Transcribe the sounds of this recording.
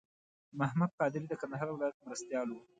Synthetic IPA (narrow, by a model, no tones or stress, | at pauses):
mahmad̪̚qɑd̪ɪɾid̪əkand̪aɦɑɾwɪlɑjat̪̚mɾast̪jɑlo